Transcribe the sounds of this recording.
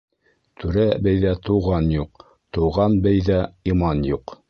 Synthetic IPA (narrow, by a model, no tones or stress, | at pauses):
t̪ʰʉɾæbɘjðæt̪ŏwʁɑnjuq̚ | t̪ŏwʁɑnbɘjðæimɑnjuq